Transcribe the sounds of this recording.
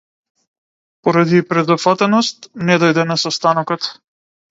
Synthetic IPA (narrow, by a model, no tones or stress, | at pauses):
pɔɾad̪iːpɾɛd̪ɔpfat̪ɛnɔst̪nɛd̪ɔjd̪ɛnasɔst̪anɔkɔt̪